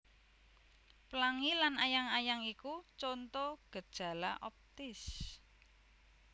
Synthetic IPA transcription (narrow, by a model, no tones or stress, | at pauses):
pəlaŋilanajaŋajaŋikut͡ʃɔnt̪ɔɡ̥ə̤d̥ʒ̥a̤laʔɔp̚t̪ɪs